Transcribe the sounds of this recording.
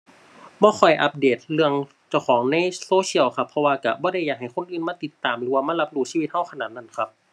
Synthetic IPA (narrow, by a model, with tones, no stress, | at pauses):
bɔː˧˦xʰɔ˨˩jʔa˧p̚deː˨˩t̪̚lɯ˧əŋ | t͡ɕa˧˩wxʰɔː˩˦ŋna˧˥˨jsoː˧˥si˧˥˨əwkʰa˧pʰːɔ˧waː˧ka˧˩bɔː˧˦ɾa˧˥˩jaː˧˩k̚ɦa˨˩jkʰo˧˥˨nʔɯː˧˥˨nmaː˧˥˨i˧˦t̪ːaː˨˩mlɯː˨˦waː˧maː˧˥˨la˧˥p̚duː˧˩si˧i˧t̪̚ha˧˥˨wkʰa˧naː˨˩t̪̚na˧˥˨nkʰa˧p̚